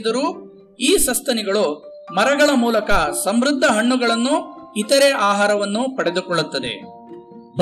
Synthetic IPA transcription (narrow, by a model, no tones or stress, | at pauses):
d̪ɐɾuː | iːsɐst̪ɐniɡɐɭu | mɐɾɐɡɐɭɐmuːlɐkɐsɐmɾud̪ʱːɐɦɐɳːuɡɐɭɐnːuit̪ɐɾeʔaːɦaːɾɐʋɐnːupɐɽe̞d̪ukɔɭːut̪ːɐd̪ḛ | b